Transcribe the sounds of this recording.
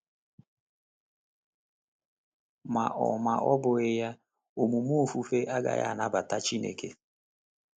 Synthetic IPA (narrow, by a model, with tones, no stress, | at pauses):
ma̰˨ʔɔ̰˨ma˨ʔɔ˦bʊ˨ɪ˦ja˦ | o˨mu˨mu˦o˨fu˦fe˦ʔa˦ɡa̰˨ja̰˨na˦ba˨ta˦t͡ʃi˦nḛ˨ke˦